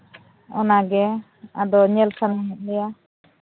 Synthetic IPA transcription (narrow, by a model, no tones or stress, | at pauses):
ɔ̰naɡɛ | ad̪ɔɲɛlsanaɦɛt̪̚ˀlɛja